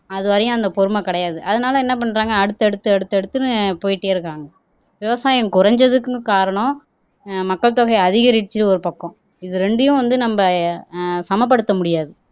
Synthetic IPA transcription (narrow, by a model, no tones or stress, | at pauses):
ɐðɯʋɐɾɐjʊ̃ɐnd̪ɐpɔɾɯmɐkɪɽɐjaːðɯʔɐðɐnaːlɐɛnːɐp̬ɐɳːɾaːŋɡɐːɽɯt̪ːɛɽɯt̪ːɯɛɽɯt̪ːɯɛɽɯt̪ːɯnɯpoːjɪʈːeːɪɾɯkːaːŋɡɐ | ʋɪʋɐsaːjɐ̃ŋkʊɾɐɲd͡ʒɐðɯkːɯkaːɾɐɳɔ̃ | mɐkːɐɭt̪oːɣɐɪɐðɪɣɐɾɪt͡ʃːɯɾɯɔɾɯpɐkːɔ̃ | ɪðɯɾɛɳɖɯjʊ̃ʋɐnd̪ɯnɐmbɐ | sɐmɐp̬ːɐɽɯt̪ːɐmʊɽɪjaːðɯ